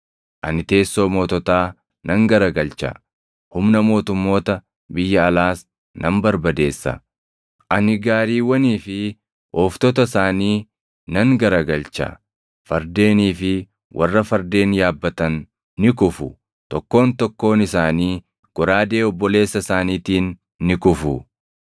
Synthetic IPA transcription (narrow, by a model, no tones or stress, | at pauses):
ʔɐnɪt̪e̞ːsːo̞ːmoːt̪ɔt̪aː | nɐŋɡɐɾɐɡɐlt͡ʃɐ̰ | hʊmnɐmo̞ːt̪ʊmːo̞ːt̪ɐ | bɪjːɐːlaːs | nɐmbɐɾbɐd̪e̞ːsːɐ̰ | ʔɐnɪɡaːɾiːwːɐniːfɪ | ʔɔːft̪ɔt̪ɐsaːniː | nɐŋɡɐɾɐɡɐlt͡ʃɐ̰ | fɐɾd̪e̞ːniːfɪ | wʔɐ̰rːɐfɐɾd̪e̞ːnjaːbːɐt̪ɐnː | ɪkʊfʊ̰ | t̪ɔkːo̞ːnt̪ɔkːo̞ːnɪsaːniː | ɡ̥ɔɾaːd̪e̞ːɔbːɔle̞ːsːɐsaːniːt̪iːnː | ɪkʊfʊ